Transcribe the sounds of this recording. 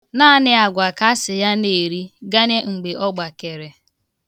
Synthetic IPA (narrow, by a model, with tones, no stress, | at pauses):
naː˦nɪ˦a˨ɡʷa˨ka˦sɪ˨ja˦ne˨ɾi˦ɡa˦ɲe˦ŋ͡m̩˨ɡ͡be˨ʔɔ˦ɡ͡ba˨ke˨ɾe˨